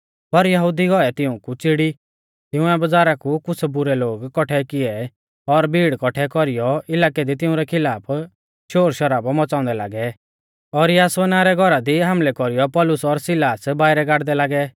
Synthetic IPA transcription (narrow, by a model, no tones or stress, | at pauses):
pɐɾjɐɦud̪iɡɔɛt̪ɪũkut͡sɪɽi | t̪ɪ̃ʊ̃ɛbɐd͡zaːɾakukʊt͡sʰɛbʊɾɛloːɡkɔʈʰɛkɪɛ | ɔɾbʱiːɽkɔʈʰɛkɔɾɪjɔɪlaːkɛd̪it̪ɪ̃ʊ̃ɾɛkʰɪlaːpʰ | ʃoːɾʃɐɾaːbɔmɔt͡saːʊ̃nd̪ɛla̰ːɡɛ | ɔɾjaːsʋɛnaːɾɛɡʱɔɾad̪iɦɐmlɛkɔɾijɔpɔlʊsɔɾsɪlaːsbaːɪɾɛɡaːɽd̪ɛlaːɡɛ